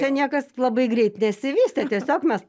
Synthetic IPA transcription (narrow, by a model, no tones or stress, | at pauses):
ɛnʲiɛkɐslˠɐbɐɪɡɾʲɛɪt̪nʲɛsʲɪʋʲiːsʲt̪ʲɛt̪ʲiɛsʲoːkmʲɛs